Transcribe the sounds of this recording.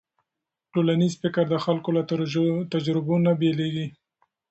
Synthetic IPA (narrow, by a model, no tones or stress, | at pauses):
ʈolanizfɪkəɾd̪əxalkolat̪ad͡ʒɾɪbonabeleɡi